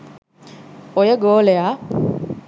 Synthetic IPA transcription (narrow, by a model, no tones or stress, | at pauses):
ojəɡoːlea